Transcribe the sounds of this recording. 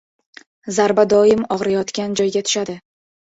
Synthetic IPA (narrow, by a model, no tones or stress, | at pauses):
zaɾbad̪ɒɪmɒʁɾajɒt̪kʲand͡ʒɒjɡʲat̪ʰʊ̥ʃad̪ɪ